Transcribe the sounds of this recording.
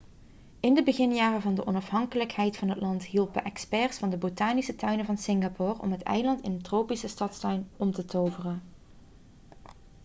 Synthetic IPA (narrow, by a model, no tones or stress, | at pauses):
ɪndəbəɣɪnjaːrəvɑndəʔɔnɑfɦɑŋkələkɦɛjtfɑnɦətlɑntɦilˠpəʔɛkspɛːɹsfɑndəbotaːnisətœɥnəvɑnsɪŋɡapɔrɔ̰mɦətɛ̰jlɑntɪnəntroːpisəstɑtstœɥnɔmtətowvərən